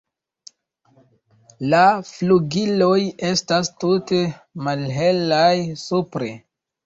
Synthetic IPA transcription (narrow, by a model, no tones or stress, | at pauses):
lafluɡilo̞je̞stastute̞malɦe̞lajsupɾe̞